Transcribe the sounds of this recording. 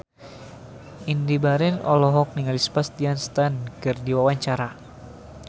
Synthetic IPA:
indibaɾɛnɔlɔɦɔk̚niŋalispast̪ianst̪ankɨrdiwawaɲt͡ʃaɾa

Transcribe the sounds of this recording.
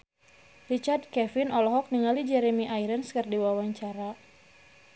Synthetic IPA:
rit͡ʃard̚kɛfɪnʔɔlɔɦɔk̚niŋalid͡ʒɛɾemiʔajɾənskɨrdiwawaɲt͡ʃaɾa

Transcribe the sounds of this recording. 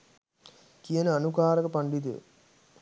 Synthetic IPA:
kijɐnɐnukaːɾɐkɐpɐɳɖit̪ɯ̰

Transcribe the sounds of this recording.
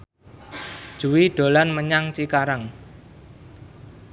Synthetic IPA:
d̥ʒ̥ṳwiɖ̥o̤lanməɲaŋt͡ʃikaɾaŋ

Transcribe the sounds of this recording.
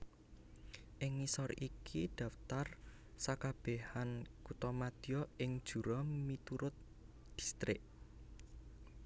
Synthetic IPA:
ʔɪŋːisɔrikʰid̪̥ä̤ft̪ar | sakab̥ehankut̪ɔmad̪̥ijɔɪŋd̥ʒ̥ṳɾɔmit̪uɾʊt̪̚ | d̪̥i̤̥st̪ɾɪʔ

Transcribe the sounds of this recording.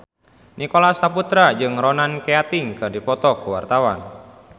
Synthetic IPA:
nʔikɔlasaput̪ɾad͡ʒɨŋrɔnankɛat̪iŋkɨrdipɔt̪ɔkuwa̰rt̪awan

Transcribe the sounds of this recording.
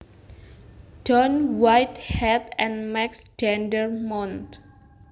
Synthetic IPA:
ɖ̥ɔnwajt̪hɛt̪ɛ̃nmɛksdɛndərmɔ̃nt̪

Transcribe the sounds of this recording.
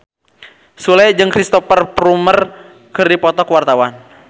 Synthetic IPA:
sulɛjd͡ʒɨŋkɾist̪ɔfərpɾumər | kɨrdipɔt̪ɔkwart̪awan

